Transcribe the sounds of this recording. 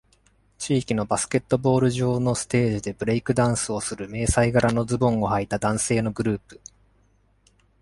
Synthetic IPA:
t͡ɕiːkʲino̞basɨ̥ke̞t̪ːo̞bo̞ːɾɯ̟ʑo̞ːno̞sɨ̥t̪e̞ːʑid̪e̞bɯ̟ɾe̞ikɯ̟d̪ãɰ̃sɨo̞sɨɾɯ̟me̞ːsaiɡaɾano̞d͡zɨbõ̞ŋohait̪ad̪ãɰ̃se̞ːno̞ɡɯ̟ɾɯ̟ːpɯ̟̥

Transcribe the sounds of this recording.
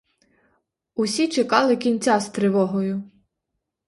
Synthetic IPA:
ʊsʲit͡ʃekɑlˠɪkʲinʲt͡sʲast̪ɾɪʋɔɦɔjʊ

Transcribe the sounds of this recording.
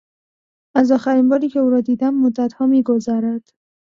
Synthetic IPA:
æzɒːxæɾiːnbɒːɾiːcʰeuːɾɒːd̪iːd̪æmːod̪ːæt̪hɒːmiːɡozæɾæd̪̥

